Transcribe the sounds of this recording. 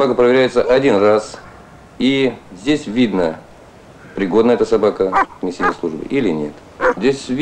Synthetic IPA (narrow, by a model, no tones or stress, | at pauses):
sbakəpɾəvʲɪɾʲæjɪt̪səʔɐdʲinras | izʲdʲesʲvʲid̪nə | pɾʲɪɡo̞d̪nəɛt̪əsɐbakəmʲɪsʲinʲəslˠuʐbɨ̰ʔilʲɪnʲḛt̪ | zʲdʲesʲvʲ